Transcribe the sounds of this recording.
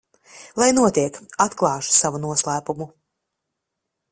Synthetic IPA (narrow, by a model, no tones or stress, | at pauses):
lˠajnuɔt̪iɛkat̪klˠɑːʃu̥savunuɔslˠæːpumu